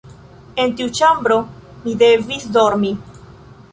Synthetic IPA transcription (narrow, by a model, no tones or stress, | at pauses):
e̞ntiut͡ʃambɾo̞mid̪e̞visd̪o̞ɾmi